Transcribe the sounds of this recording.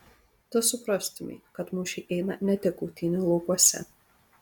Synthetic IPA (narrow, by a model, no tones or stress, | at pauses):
t̪ʊsʊpɾɑst̪ʊmʲḭkɐt̪mʊʃʲɛʔɛɪnɐnʲɛt̪ʲɛkuːt̪ʲɪnʲɪlˠɐʊkɔsʲɛ̰